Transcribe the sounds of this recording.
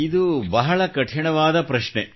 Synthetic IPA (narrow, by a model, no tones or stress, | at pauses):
id̪ubɐɦɐɭɐkɐʈʰjɐɳɐʋaːd̪ɐpɾɐʂɳe